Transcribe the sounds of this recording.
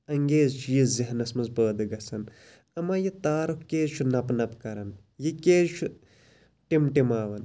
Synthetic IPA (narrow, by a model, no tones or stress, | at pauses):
ɐŋɡeːzt͡ʃʰijiziɦnɐsmɐzpəːd̪ɨɡɐsɐn | ɐmaːjit̪aːɾukkeːzt͡ʃʰunɐpnɐpkɐɾɐn | jikeːzt͡ʃʰu | ʈimʈimaːʋɐn